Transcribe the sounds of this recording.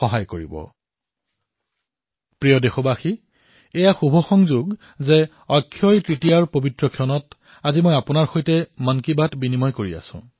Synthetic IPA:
xɔɦajkoɹḭbɔ̰ | pɹijɔdexɔbaxiː | jaxubʱɔxɔŋzuɡ | ze | ɔkʰːjɔjtɹitijaɹpobitɹɔkʰiɔnɔt | azimojapʊnaɹxojtɛmankibatbinimɔjkoɹia̰sʊ̰̃

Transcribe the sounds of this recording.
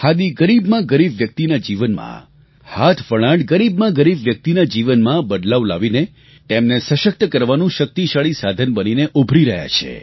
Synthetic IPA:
had̪iɡəɾibmãɡəɾibjək̚t̪inad͡ʒiʋənmã̰ | hat̪ʰʋəɭãɖɡəɾibmãɡəɾibʋjək̚t̪inad͡ʒiʋənmãbəd̪laʋla̰ʋine | t̪emnesəʃək̚t̪əkəɾʋanũʃək̚t̪iʃaɭisad̪ʱənbənineʔubʱɾiɾəɦja̰t͡ʃʰḛ

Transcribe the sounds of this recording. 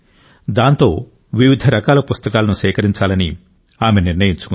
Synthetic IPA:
d̪aːnt̪o̞ː | ʋiʋid̪ʱɐɾɐkaːlɐpust̪ɐkaːlɐnuʃɛːkɐɾiɲt͡ʃaːlɐni | aːme̞niɾnɐjiɲt͡ʃu̥ku

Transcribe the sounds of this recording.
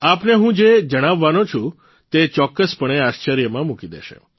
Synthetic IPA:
apneɦũd͡ʒed͡ʒəɽ̃aʋːanot͡ʃʰũ | t̪et͡ʃɔkːəspəɽ̃eaʃt͡ʃəɾjəmãmukid̪ḛʃḛ

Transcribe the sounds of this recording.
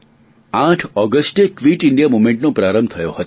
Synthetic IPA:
ãʈʰɔɡəsʈekʋiʈiɳɖijamumẽɳʈnopɾaɾəmbt̪ʰəjohət̪

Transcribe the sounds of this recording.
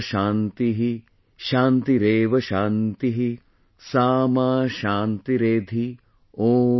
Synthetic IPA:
ʃaːnt̪iɦi | ʃaːnt̪iɾeːʋɐʃaːnt̪iɦi | saːmaːʃaːnt̪iɾeːd̪ʱi | oː

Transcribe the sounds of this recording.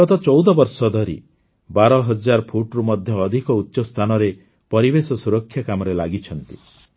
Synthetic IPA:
ɔt̪ɔt͡ʃɔwd̪ɔbɔɾsɔd̪ʱɔɾi | baɾɔɦɔd͡ʒaɾpʰuʈɾumɔd̪ʱjɔːd̪ʱikɔutːʃɔst̪ʰanɔɾe | pɔɾibesɔsuɾɔkʰːjakamɔɾelaɡit͡ʃʰɔnt̪i

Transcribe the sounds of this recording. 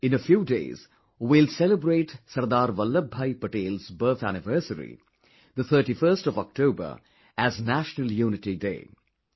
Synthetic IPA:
ɪ̃nəfjuːdḛːz̥ | wilsɛləbɾeːʈsɐɾd̪aːɾʋʌlːəbʱaɪpəʈeːlzbəːθænɪʋəɾsəɾḭ | d̪ət̪ʰəːʈifəːsʈɔʋɔk̚ʈʰoːbə̰ɾ | æznæʃnəljuːnɪʈidḛː

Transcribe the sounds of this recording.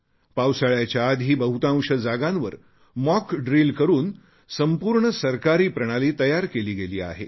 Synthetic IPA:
pawsaɭjat͡ɕjaːd̪ʱiːbəɦut̪ãw̃ʂəd͡zaɡãnʋəɾ | mɔkɖɾilkəɾuːn | səmpuːɾɳəsəɾkaɾiːpɾəɽ̃aliːt̪əjaɾkeliːɡeliːa̰ɦḛ

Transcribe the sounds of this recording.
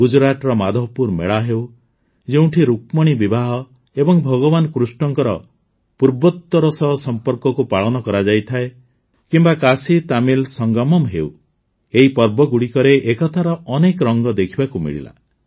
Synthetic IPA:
ɡud͡ʒɾaʈɾɔmad̪ʱɔpuɾmḛɭaɦew | d͡ʒeũʈʰiɾuk̚mɔɽ̃ibibaɦɔ | ebɔŋbʱɔɡɔbanɔkɾusʈɔŋkɔɾɔ | puɾbɔt̪ːɔɾɔsɔɦɔsɔmpɔɾkɔkupaɭɔnɔkɔɾad͡ʒajt̪ʰae | kimbakasit̪amilsɔŋɡɔmɔmɦew | eɦipɔɾbɔɡuɽikɔɾeʔekɔt̪ʰaɾɔɔnekɔɾɔŋɡɔd̪ekʰibakumḭɭḭla̰

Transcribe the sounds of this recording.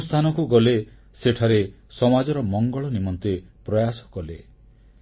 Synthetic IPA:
ust̪ʰanɔkuɡɔle | seʈʰaɾe | sɔmad͡ʒɔɾɔmɔŋɡɔɭɔnimɔnt̪epɾɔjasɔ̥kɔle

